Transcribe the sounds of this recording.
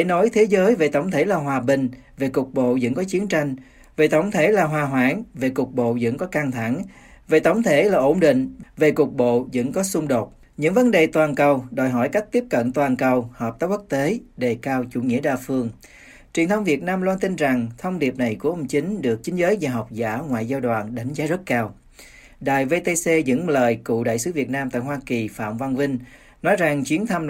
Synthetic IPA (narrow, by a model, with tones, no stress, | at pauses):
ḛ˧˦nɔ˨˦jt̪ʰe˨˦zəː˨˦jve˨˩t̪ə˧˩wŋ͡mt̪ʰe˧˩laː˨˩ɦwaː˨˩ɓï˨˩ŋ̟ | ve˨˩kʊ˨˩k̚ɓo̰˧˨zə̰˧˥ŋkɔ˨˦t͡ɕi˨˦ənt͡ɕa˧jŋ̟ | ve˨˩t̪ə˧˩wŋ͡mt̪ʰe˧˩laː˨˩ɦwaː˨˩ɦwaː˧˥ŋve˨˩kʊ˨˩k̚ɓo̰˧˨zə̰˧˥ŋkɔ˨˦ka˧ŋt̪ʰa˧˩ŋ | ve˨˩t̪ə˨˧˩wŋ͡mt̪ʰe˧˩laː˨˩ʔo˧˩ŋ͡mɗḭ̈˧˨ŋ̟ve˨˩kʊ˨˩k̚ɓo̰˧˨zə̰˧˥nkɔ˨˦sʊ˧ŋ͡mɗo˨˩t̚ | ɲɨ̰˧˥ŋvə˨˦nɗe˨˩t̪waː˨˩nkə˨˩wɗo˨˩jɦɔ˧˩jka˦˥jk̚t̪i˦˥əp̚kə̰˧˨nt̪waː˨˩nkə˨˩whəː˨˩p̚t̪aː˨˦w̚ku˦˥k̚t̪e˨˦ɗe˨˩kaː˧wt͡ɕṵ˧˩ŋḭ˧˥əɗaː˨˩fɨ˧əŋ | t͡ɕwi˨˩ənt̪ʰə˧wŋ͡mvi˨˩ət̚naː˧mlwaː˧nt̪i˧nza˨˩ŋt̪ʰə˧wŋ͡mɗi˨˩əp̚na˨˩jku˧˩əʔə˧wŋ͡mt͡ɕï˨˦ŋ̟ɗɨ˨˩ək̚t͡ɕï˨˦ŋ̟zəː˨˦jzaː˨˩ɦa˨˩wk͡p̚zaː˧˩˥ŋwaː˧˨jzaː˧wɗwa̰ː˨˩nɗa˨˦jŋ̟zaː˨˦zə˦˥t̚kaː˧w | ɗa̰ː˧˨jve˧t̪e˧se˧zə̰˧˥ŋləː˨jkṵ˧˨ɗa̰ː˧˨jsɨ˨˦vi˨˩ət̚naː˧mt̪a̰ː˧˨jɦwaː˧ki˨˩fa̰ː˧˨mva˧nvi˧ŋ̟ | nɔ˨˦jza˨˩ŋt͡ɕwi˨˦ənt̪ʰə˧m